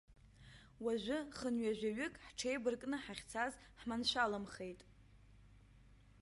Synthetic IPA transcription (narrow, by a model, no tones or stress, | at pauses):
waʒʷʊχənɥaʒʷᶣaɥʏkʼħʈ͡ʂʰejbɨrkʼnɨħaχʲt͡sʰazħmanʃʷalamχe̞jtʼ